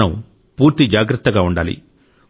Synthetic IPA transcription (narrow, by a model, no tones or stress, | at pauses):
ɐm | puːɾt̪id͡ʒaːɡɾɐt̪ːɐɡaːuɳɖaːlḭ